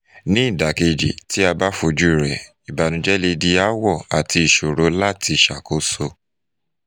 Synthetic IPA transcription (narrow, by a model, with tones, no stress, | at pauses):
nĩ˦i˦˨da˨ke˧d͡ʒḭ˨ti˦a˧ba˦fo˧d͡ʒu˦i˦˨ɾɛ˨ | i˨ba˨nũ˧d͡ʒɛ˦le˧di˧a˦wɔ˦˨a˨ti˧i˨ʃo˨ɾo˨˦la˦ti˧˨ʃa˨ko˨˦so˧